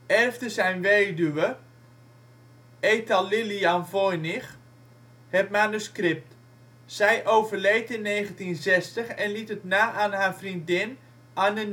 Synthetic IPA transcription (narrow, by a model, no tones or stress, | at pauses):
ɛrftəsɛjnʋeːdyʋə | ejtalɪlianvɔjnɪx | hɛtmanyskrɪp̚t | sɛjʔowvərlejtɪnːeːχəntinzɛstəχɛnlitətnaːʔanɦafrindɪn | anən